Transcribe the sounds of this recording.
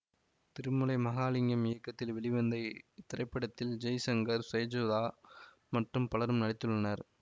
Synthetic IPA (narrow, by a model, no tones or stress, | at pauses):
t̪ɪɾɯmɯlɐɪmɐɣaːlɪŋɡɐmɪjɐkːɐt̪ːɪlʋɛɭɪʋɐnd̪ɐɪt̪ɪɾɐɪpːɐɽɐt̪ːɪld͡ʒɐjsɐŋɡɐɾsɐjd͡ʒoðaː | mɐʈrɯmpɐlɐɾɯmnɐɽɪt̪ːɯɭːɐnɐɾ